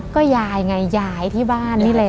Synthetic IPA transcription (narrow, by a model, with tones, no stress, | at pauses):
kɔː˥˩jaː˧˩jŋa˧jjaː˧˩jt̪ʰiː˥˩baː˥˩nːiː˥˩lɛ˧